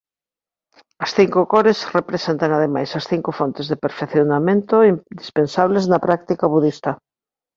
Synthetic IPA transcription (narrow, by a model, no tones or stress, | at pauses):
ɐsθiŋkʊkoɾesrepɾesent̪ɐŋaðemajsɐsθiŋkʊfont̪ezðepeɾfeθjonamẽnt̪oid̪ispensaβleznɐpɾak̚t̪ikɐβuðist̪ɐ